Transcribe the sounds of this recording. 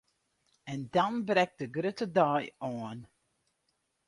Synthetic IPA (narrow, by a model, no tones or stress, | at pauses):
ɛndɔnbrɛk̚d̥əɡrøtədajɔːn